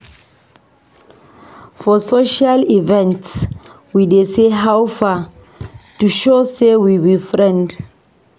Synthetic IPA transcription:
fɔsoʃalivɛ̃nts | wideseɦawfa | tuʃosewiwifɹɛ̃nd

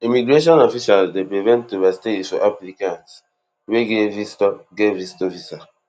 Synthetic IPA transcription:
imiɡɾeʃ̬ɔ̃nɔfiʃalsdepɾivɛ̃ntːuvasi̥tefɔ̰ʔaplikãnt | weɡevistɔɡevistofisa

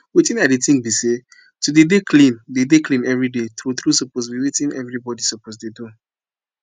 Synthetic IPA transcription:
wetĩnaditĩŋbise | tudedekʰlĩndedeklĩnɛvɹidet̪ɾuθɹusɔposwiwetĩnɛvɹibɔdisɔposdedõ

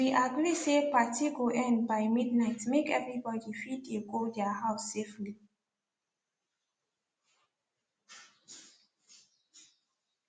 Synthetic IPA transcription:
wiʔaɡɹisepatʰiɡoʔɛ̃nbaɪmidnaɪtmekɛvɹibɔdifideɡodɛahaʊsːefli

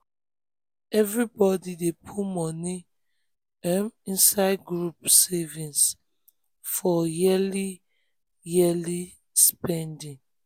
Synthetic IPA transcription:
ɛvɹibɔdidepʰumɔni | ãmĩnsaɪd̚ɡɹupsɛvĩns | fɔjili | jili | spɛ̃ndĩŋ

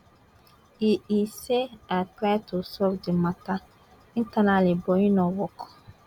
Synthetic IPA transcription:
iiseatɾatʰʊsɔfdɪmata | in̩tanalɪbɔɲinɔwɔk

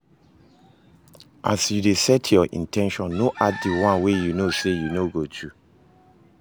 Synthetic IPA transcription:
ʔa̰sjudesɛtʰjɔʔḭ̃ntʰɛ̃nʃɔ̃nːoʔaddiwãnwejunosejunoɡotʰu

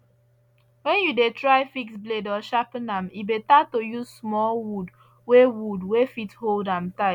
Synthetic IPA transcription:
wɛ̃njudetɹaɪfiksbledɔʃapnãmibetatojuzsmɔlwud | wewudwefitholdãmtaɪ

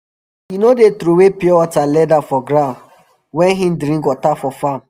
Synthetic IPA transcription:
jinodet̪ɾuwepiɔɔtalɛdafɔɡɾãn | wɛ̃nɦĩm̩dɾĩŋkɔtafɔfam

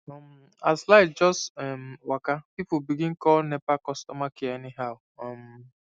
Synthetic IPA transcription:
ɔm̩ | aslaɪtd͡ʒɔstɛm̩wakapipʊbiɡĩn̩kɔlnepakɔstɔmakienɪɦaʊ | ɔm

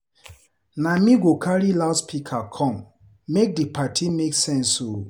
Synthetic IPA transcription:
namiɡokʰaɹiladspikʰakʰɔ̃mː | ek̚dipʰatʰimeksɛ̃nso

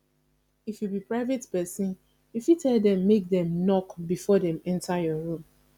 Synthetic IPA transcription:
ifjubipɹaɪvetpɛsĩn | ifjutɛldɛ̃mːek̚dɛ̃mnɔkbifɔdɛ̃mɛ̃ntʰajɔɹũm

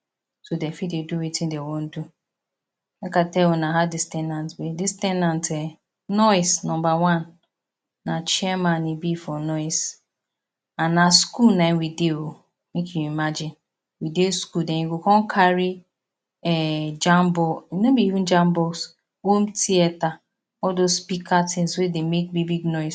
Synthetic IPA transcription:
sodɛfideduwitɪ̃ndewõn̩du | ɛkatɛonaɦadɪstɛ̃ndãntbedɪstɛnãntɛ | nɔɪsnɔ̃mbawãnː | at͡ʃiɛmãnibifɔnɔɪs | ãnːaskulnãɪ̃nwideo | mekjuimad͡ʒɪ̃n | wideskuldɛ̃iɡokɔ̃nkʰaɹi | ɛd͡ʒãmbɔinobiivũnd͡ʒãmbɔs | homtiɛta | ɔldospikʰatʰɪ̃nswedemek̚bibiɡnɔɪs

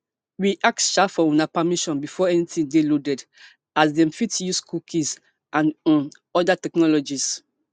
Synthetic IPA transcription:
wiʔak̚sʃafɔũnapamiʃɔ̃nbifɔɛnitĩŋdelodɛd | asdɛ̃mfitjuskʰukʰĩs | ãn | ɔdatɛknɔlɔd͡ʒis

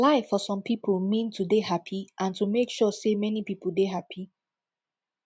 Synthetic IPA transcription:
laɪfɔsɔ̃mpʰipʰəlmĩntʰudehapʰiʔãntumekʃɔsemɛnipipəl̩deɦapʰi

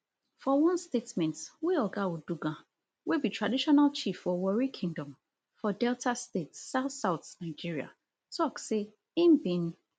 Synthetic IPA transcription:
fɔwɔ̃nstetmɛ̃ntweɔɡawuduɡã | webitʰɹadiʃɔnalt͡ʃifɔwɔɹikʰɪ̃ŋdɔ̃m | fɔdɛltʰastetsːaʊθsaʊθnãɪd͡ʒiɹia̰ | tɔkse | ɪ̃mbĩn

